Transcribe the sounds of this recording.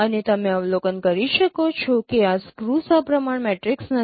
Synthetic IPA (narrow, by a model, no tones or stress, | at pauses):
ənet̪əmẽəʋlokənkəɾiʃəkot͡ʃʰokeaskɾusapɾəmaɳmɛʈɾɪksnə